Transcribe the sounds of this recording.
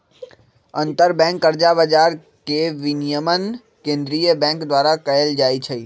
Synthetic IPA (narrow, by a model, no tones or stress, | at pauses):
ɐ̃nt̪əɾbɛ̃ːŋkːəɾd͡ʒabəd͡ʒaːɾ | keʋɪnijəmən | kẽːnd̪ɾijəbɛ̃ːŋkd̪ʋaːɾakɐɦəld͡ʒaːit͡ʃʰɐiː